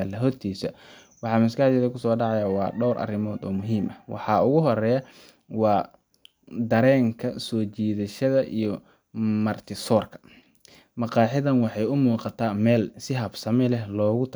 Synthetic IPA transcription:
lɐɦɔrt̪ʰiːsɐ | wɑħɑːmɪskaːd̪jɛðɐkʰʊsɔːɖɑʕɑjawɑ̰ːɖɔwɾʔɐ̰rɪmɔːd̪ɔ̰ːmʊɦiːmʔɐwɑ̰ħɑːʊɣʊɦɔɾɛːjɐ | wɑː | d̪ɐɾɛːŋkʰɐsɔːt͡ʃiːðɐʃɐðɐʔijɔ | mɐrt̪ʰɪsɔːrkʰɐ̥ | mɑqɑːħɪðɐnwɑħɑjʊmuːqɑt̪ʰaːmɛːlsɪɦɐbsɐmɛlɛɦlɔːɣʊt̪ʰ

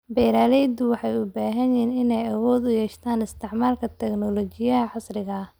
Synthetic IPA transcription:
bɛjɾaːlɛjd̪ʊwɑħɑjʊbaːɦɐnjɛːnɪnɛjɐwɔːd̪ʊjɛːʃt̪ʰaːnɪst̪ʰɪʕmaːlkʰɐt̪ʰɛknɔlɔt͡ʃɪjɐɐʕɑsrɪɣɐ

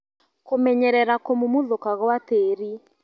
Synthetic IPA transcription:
komɛɲɛɾɛɾakomomoðokaɣwateːɾi

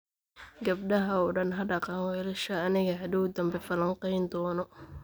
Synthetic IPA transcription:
ɡɐb̚ɖɐɦɐɔɖɐnɦɐɖɐqɑwɛlɛʃɐːnɪɣɐɦɐd̪uːd̪ɐmbɛfɐlɐŋqɑjnd̪ɔːnɔ

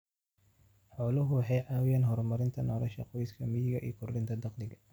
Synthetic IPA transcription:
ħɔːlɐɦʊwɑħɑjʕɑːwɪjaːnɦɔrmɐɾɪnt̪ʰɐnɔːlɐʃɐ̰qɔjskʰɐmɪjɪɣɐʔḭːkʰʊrdɪnt̪ʰɐd̪ɑqd̪ɪɡɐ

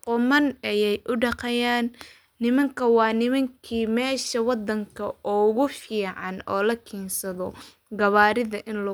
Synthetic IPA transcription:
qʊmɐnɐjɛjʔʊɖɑqɛjaːnː | ɪmɐŋkʰɐwɑːnɪmɐŋkʰiːmɛːʃɐwɑd̪ːɐŋkʰɐʔɔːɣʊfiːʕɑnɔ̰ːlɐkʰɛːnsɐðɔ | ɡɐβaːɾɪðɐʔɪnl

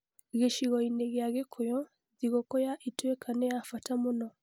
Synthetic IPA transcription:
ɣeʃiɣɔineɣeaɣekʰojɔ | ðiɣokɔjaʔitwekʰanejafatamonɔ

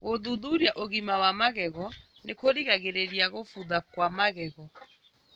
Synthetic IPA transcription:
ɣoðuðuɾjaʔoɣimawamaɣɛɣɔ | nekoɾiɣaɣeɾeɾiaɣofuðakwamaɣɛɣɔ

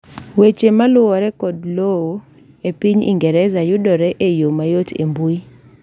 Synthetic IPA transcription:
wet͡ʃemalʊwɔɾɛkɔd̚lowo | epiɲḭŋɡɛɾɛzajʊdɔɾɛʔejomajotʰḛmbui

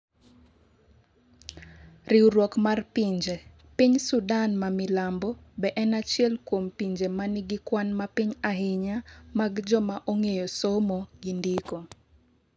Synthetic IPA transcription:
riwɾwɔkmarpiɲd͡ʒe | piɲsudanmamɪlambɔbɛʔɛnat͡ʃɪɛlkwompiɲd͡ʒemanɪɡɪkwanmapiɲaɦɪɲamaɡd͡ʒɔmaʔoŋejosomoɡindiko

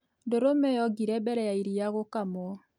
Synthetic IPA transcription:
doɾomɛjɔɡiɾɛbɛɾɛjaiɾijaɣokamɔ

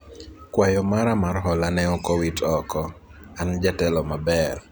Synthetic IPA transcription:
kwajɔmaɾamarɦɔlanɛɔkɔwitɔkɔand͡ʒatɛlɔmabɛr

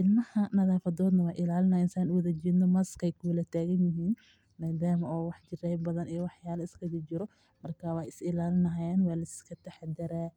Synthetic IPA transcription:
ʔɪlmɐhɐnɐðaːfɐdɔːd̪nɐwɑːjʔɪlaːlɪnɐjɪnsaːnʊwɐðɐd͡ʒiːd̪nɔmɐskʰɛjkʰʊwʊlɐt̪ʰaːɣɐnjɪɦiːn | maːd̪aːmɔːwɑħd͡ʒɪrɛjbbɐðɐnɛjwɑħjaːlɐɪskʰɐdɪt͡ʃɪɾɔ | mɐrkʰaːwɑːjɪsɪlaːlɪnɐɦjaːnwɑːlɐsskʰɐt̪ʰɛħad̪ɐɾaː

